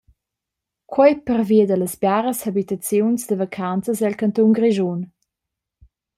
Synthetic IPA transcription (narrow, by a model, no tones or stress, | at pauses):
kʰwɔjpərviəd̪ələsbjaɾəshabit̪at͡sjunsd̪əvakʰant͡səsdɛlkant̪uŋɡɾiʒun